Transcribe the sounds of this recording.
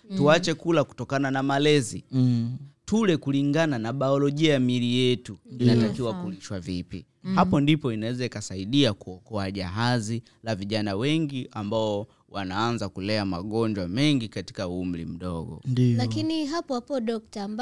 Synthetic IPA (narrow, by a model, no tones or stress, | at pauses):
tuat͡ʃɛkulaku̥tɔkananamalɛzi | tulɛkuliŋɡananaɓaɔlɔʄiajamilijɛtuinatakiwakuliʃwavipi | hapɔndipɔinawɛzaikasaiɗiakuɔkɔaʄaɦazi | laviʄanawɛŋɡiʔambaɔ | wanaanzakulɛama̰ɠɔɲd͡ʒwamɛŋɡikati̥kauum̩lḭm̩ɗɔɡɔ̰dilakiniɦapɔapɔɗɔk̚tam